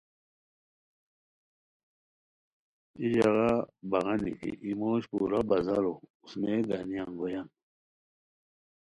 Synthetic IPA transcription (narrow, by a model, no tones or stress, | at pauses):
iʑaɣabaɣanḭkḭʔimoɕpuɾabazaɾousmeɡanijaŋɡojan